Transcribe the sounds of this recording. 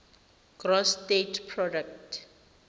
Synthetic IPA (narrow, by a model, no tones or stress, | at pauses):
ɡ̥rɔstetʰpʰrɔdak̚tʰ